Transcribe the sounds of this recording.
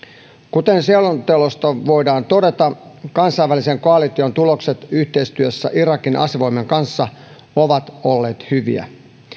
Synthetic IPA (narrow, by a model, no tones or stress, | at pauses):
kut̪e̞nsielont̪elost̪ɑʋo̞jdɑːnt̪o̞de̞t̪ɑkɑnsɑiʋːælise̞ŋko̞ɑlit̪iont̪ulo̞kset̪yht̪e̞ist̪yøsːæ̰ʔiɾɑkinʔɑ̰sʋoime̞ŋkɑnsːɑ | oʋɑt̪olːe̞ːt̪hyʋḭæ̰